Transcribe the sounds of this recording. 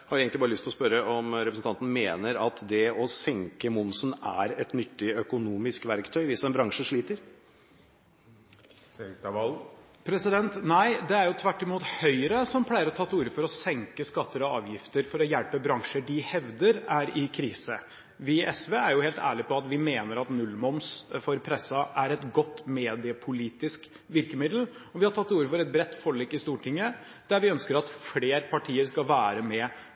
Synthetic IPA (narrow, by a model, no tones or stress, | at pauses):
hɑɾeːɡənɪbɑːɾəlʏst̪lɔspœɾəɔmɾɛpɾəsn̩t̪ʰɑnt̪ənəmeːnəɾɑt̪d̪ɛɔsɛŋkəmʊnsnæ̰ɾɛt̪nʏt̪ːɪœkʊnuːmɪskʋæɾkt̪ʰœʏʋɪsɛnbɾɑŋʂəʂɭiːt̪əɾ | l | pʰɾɛsɪd̪ɛnt̪næɪd̪ɛæɾjʊt̪ʰʋæʈːɪmuːt̪hœʏɾəsɔmpʰlæɪəɾɔt̪ʰɑt̪ːuːɾəfɔɾɔsɛŋkəskɑt̪ːəɾɔɑ̰ːʋjɪft̪əɾfɔɾɔjɛlpəbɾɑŋʂəɖɪhɛʋd̪əɾæɾɪkʰɾiːsə | ʋɪʔɛsʋeæɾjʊheːlt̪æ̰ːɭɪpʰɔɑt̪ʋɪmeːnəɾɑt̪nʉlːmɔmsfɔɾpʰɾɛsːɑʔæɾɛt̪ɡɔt̪ːmeːd̪ɪəpʰʊliːt̪ɪsk | ʋɪɾkəmɪd̪l̩ɔʋɪhɑɾʈʰɑt̪ːuːɾəfɔɾɛt̪̚bɾɛt̪ːfɔɭiːkːɪst̪uːʈʰɪŋːə | d̪̥æɾʋɪœnskəɾɑt̪fleːɾpʰɑʈʰiːəɾskɑʋæːɾəmɛ